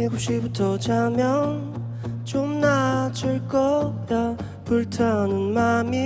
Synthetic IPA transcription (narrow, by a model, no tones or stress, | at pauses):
ekup̚ɕ͈ibutʰʌt͡ɕamjʌn | t͡ɕomnat͡ɕɯɭk͈ʌja | puɭtʰanɯnmami